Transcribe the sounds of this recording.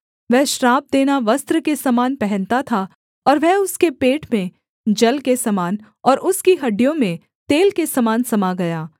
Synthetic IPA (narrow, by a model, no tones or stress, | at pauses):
ʋɛɦʃɾaːp̚d̪eːnaʋɐst̪ɾəkesɐmaːnpɛɦɛ̃nt̪at̪ʰa | ɔːɾʋɛɦʊskepeːʈmẽ | d͡ʒɐlkesɐmaːn | ɔːɾʔʊskiɦɐɖːijõmẽ | t̪eːlkesɐmaːnsɐmaɡɐjaː